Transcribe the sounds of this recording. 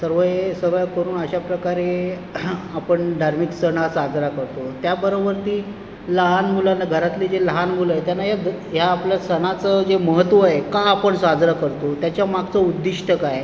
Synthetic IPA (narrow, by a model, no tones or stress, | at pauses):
səɾʋəjesəɡɭakəɾuːnəɕapɾəkaɾe | apəɳɖaɾmiksəɽ̃asad͡zɾakəɾt̪ot̪jabəɾobəɾt̪iː | ləɦanmulanːaɡʱəɾat̪lid͡zeləɦanmulajet̪janːaɦjad̪ | jaːpljasəɽ̃at͡səd͡zeməɦət̪ʋəaɦekaːpəɳsad͡zɾakəɾt̪ot̪jat͡ɕjamaɡt͡səud̪ːiʂʈʰəkaj